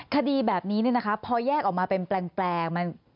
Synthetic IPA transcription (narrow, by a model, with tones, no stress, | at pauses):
kʰa˧diː˧bɛː˨˩p̚niː˦˥ni˥˩ɐna˦˥kʰa˦˥pʰɔː˧jɛː˥˩kʔɔː˨˩k̚maː˧pe˧nplɛː˨˩ŋplɛː˨˩k̚ma˧n